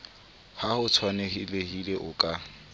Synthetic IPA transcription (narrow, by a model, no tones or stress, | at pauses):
hahʊt͡sʰwanehilehileʔʊkʼa